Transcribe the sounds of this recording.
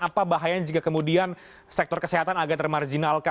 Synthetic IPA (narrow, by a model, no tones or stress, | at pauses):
apabaɦajaɲd͡ʒukakəmudian | sɛk̚t̪ɔrkəseɦat̪anaɡat̪ərmard͡ʒinalka